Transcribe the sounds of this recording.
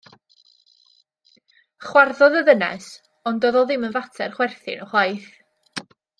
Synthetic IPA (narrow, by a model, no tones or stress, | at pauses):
χwarðɔðəðənɛ̰s | ɔndɔðɔðɪmənvatʰɛrχwɛrθɪ̰nɔχwˠajθ